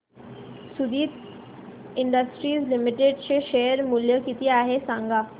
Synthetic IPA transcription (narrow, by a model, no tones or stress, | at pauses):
sud̪iːt̪ | iɳɖəsʈɾiːslimiʈeɖɕeʃejəɾmuljəkit̪iaɦesãŋɡa